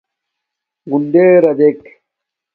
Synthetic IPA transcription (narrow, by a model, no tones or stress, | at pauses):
ɡunɖ̪eɾɐd̪ek